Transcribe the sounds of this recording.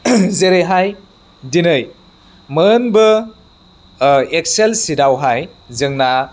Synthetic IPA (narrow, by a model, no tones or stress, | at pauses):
zeɾeɦaj | dinɯj | mənbɯ | ek̚selsidawɦaj | zɯŋna